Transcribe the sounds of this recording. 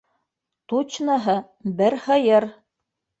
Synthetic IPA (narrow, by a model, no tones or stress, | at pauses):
t̪ut͡ɕnɑɦɤ | bɘɾhɤ̆jɤɾ